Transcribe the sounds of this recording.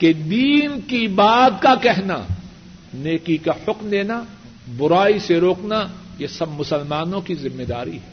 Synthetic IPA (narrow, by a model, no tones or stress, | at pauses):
ked̪iːnkibaːt̪kakɛɦna̰ | neːkikahʊkmd̪eːna | bʊɾaːiseɾoːknajesɐbmʊsəlmaːnõkizɪmːed̪aːɾḭɦɛː